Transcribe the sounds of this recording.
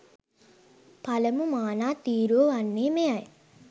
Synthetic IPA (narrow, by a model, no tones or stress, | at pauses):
pɐlɐmumaːnaːt̪iːɾoːanːeːmeaj